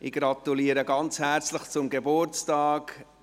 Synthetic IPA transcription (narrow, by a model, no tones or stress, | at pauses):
ʔɪɡɾɑt̪uliːəɾəɡɑnt͡shæɾt͡sləχt͡sʊmɡebʊɾt͡stɑːk